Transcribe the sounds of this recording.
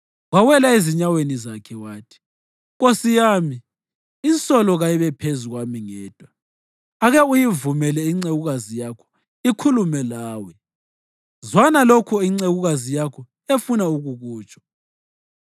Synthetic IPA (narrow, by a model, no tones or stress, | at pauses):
ɣwawɛlaeziɲawenizakʰɛwaːtʰi̥ | ɣosijaːmiː | nt͡sʼɔlɔɣajiβɛpʰezuɣwamiŋɛːd̥ʱwa | aɣɛujivumɛlɛiŋ͡ǀeɣuɣazijakʰɔ̥ | ikʰulumɛlaːwɛ | zwanalokʰɔiŋ͡ǀeɣuɣazijakʰɔ | efunauɣuɣuːt͡ʃʼɔ̥